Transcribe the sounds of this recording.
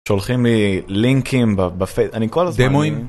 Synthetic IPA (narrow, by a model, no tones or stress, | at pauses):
ʃolχimliliŋkʰimbabafeanikolazd̪moim